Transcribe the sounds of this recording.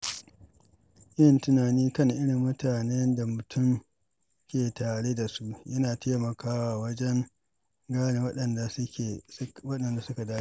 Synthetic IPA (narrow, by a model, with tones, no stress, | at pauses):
jɪ˦˨ntʊ˦naː˨niː˦kɐ˦˨ŋʔɪ˦ɽɪ˨mːʊ˦taː˨nɛ˦nda˨mʊ˨tʰʊ˦˨m | kʲeː˨taː˨ɽe˦da˨su˦ʔjɐ˦naː˨teː˦mɐ˨kaː˦wa˨wɐ˦d͡ʒɛ˦ŋ | ɡaː˦ne˨wɐ˦ɗɐ˨nda˨sʊ˦kʲe˨˦wɐ˦ɗɐ˨nda˨sʊ˦ka˨daː˦i˦